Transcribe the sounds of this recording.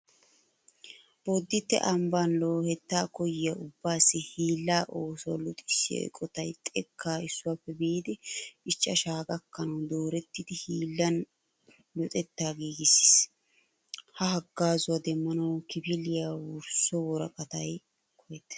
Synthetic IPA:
b̥od̪ːɪt̪ːɛ̰ʔɐmbanloːhɛt̪ːaːkɔjɪjɐʊbːaːsːɪhiːlːaːʔoːsʊwa̰lʊt̪ʼɪsːɪɛ̰kʼɔt̪ɐjt̪ʼɛkːaːɪsːʊwaːpːɛbiːd̪ɪɪt͡ʃːɐʃaːɡɐkːɐnɐwd̪o̞ːɾɛt̪ːɪd̪ɪhiːlːɐn | lɔt̪ʼɛt̪ːaːɡiːɡɪsːɪ̥s | hɐhɐɡːaːzʊwɐd̪ɛmːɐnɐwkɪpɪlɪjawʊɾsːɔwɔɾɐ̰kʼɐt̪ɐj | kʰɔjɛt̪

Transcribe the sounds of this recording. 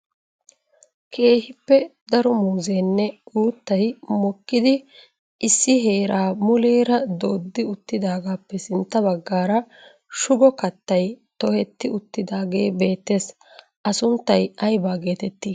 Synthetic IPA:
kʰe̞ːhɪpːɛd̪ɐɾɔmuːzeːnːɛuːt̪ːɐjmɔkːɪd̪ɪ | ɪsːɪɦe̞ːɾaːmʊleːɾɐd̪oːd̪ːɪʊt̪ːɪd̪aːɡaːpːɛsɪnt̪ːɐbɐɡːaːɾɐ | ʃʊɡɔkɐt̪ːɐjt̪ɔhɛt̪ːɪʊt̪ːɪd̪aːɡe̞ːbe̞ːt̪ːe̞ːs | ʔɐsʊnt̪ːɐjɐjbaːɡe̞ːt̪ɛt̪ːiː

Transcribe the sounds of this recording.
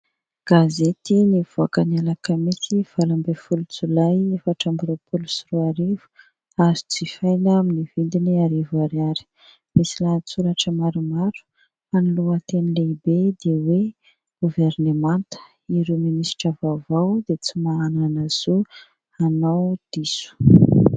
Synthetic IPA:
ɡ̥azet̪iniv̥uakənialakəmisiv̥alambefulut͡sulajefaʈ͡ʂambiɾopʰulusiruaɾivu̥ | azit͡sifajnaminivind̪iniaɾivaɾjaɾi̥ | misilat͡suɾaʈ͡ʂəmaɾumaɾu̥ | aniluat̪enileibed̪ewe | ɡ̥uvernemant̪ə̥ | iɾeminisi̥ʈ͡ʂavavawd̪et͡simaananaz̥u | anawd̪̥isu̥

